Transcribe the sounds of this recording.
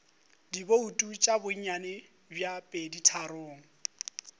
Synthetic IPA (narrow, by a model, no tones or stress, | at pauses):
diboutʼut͡ʃʼabʊɲanɪ | bjapʼeditʰaɾoːŋ̩